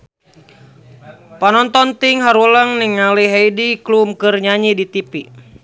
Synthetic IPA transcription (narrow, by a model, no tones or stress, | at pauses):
panɔnt̪ɔnt̪iŋɦaɾuləŋniŋaliɦajdiklumkɨrɲaɲidit̪ipi